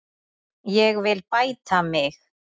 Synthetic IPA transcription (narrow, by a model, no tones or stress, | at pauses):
jɛɣvɪlpajt̪ʰamɪx